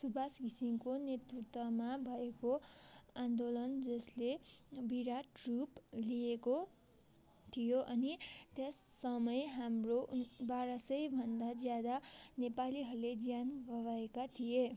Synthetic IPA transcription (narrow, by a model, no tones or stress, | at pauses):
subʱaskisimkonet̪rut̪wʌmabʱʌekoand̪olʌnd͡zʌslebiɾaʈruplijeko | t̪ʰijoʔʌnit̪esːʌmʌjɦamrobaɾʌsʌjbʱʌnd̪ad͡zjad̪anepaliɦʌɾuled͡zjanɡʌbaekat̪ʰije